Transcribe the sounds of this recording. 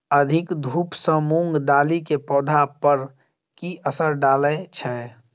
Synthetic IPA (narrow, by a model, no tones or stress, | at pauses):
əd̪ʱɪkd̪ʱuːpsə̃mũŋɡd̪aːlikepɔːd̪ʱapəɾ | kiəsəɾɖaːləet͡ʃʰɛ